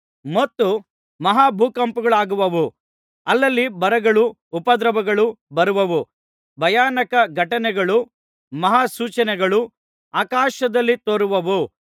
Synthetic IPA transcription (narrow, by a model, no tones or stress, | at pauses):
mɐt̪ːu | mɐɦaːbʱuːkɐmpuɡɐɭaːɡuʋɐʋu | ɐlːɐlːibɐɾɐɡɐɭu | pɐd̪ɾɐbɐɡɐɭubɐɾuʋɐʋu | bʱɐjaːnɐkɐɡʱɐʈɐnɛɡɐɭu | mɐɦaːsuːt͡ʃɐnɛɡɐɭu | aːkaːʃɐd̪ɐlːit̪oːɾuʋɐʋu